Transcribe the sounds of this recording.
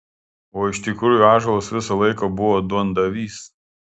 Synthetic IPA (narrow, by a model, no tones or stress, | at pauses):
oːɪʃt̪ʲɪkɾuːjʊɑːʒɐlˠoːsʋʲɪsɐlˠɐɪkoːbʊʋoːd̪ʊɐnd̪ɐʋʲiːs